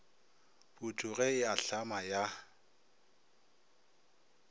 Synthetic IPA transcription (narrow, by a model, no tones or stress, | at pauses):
butʰʼuɣɛɪaɬamaja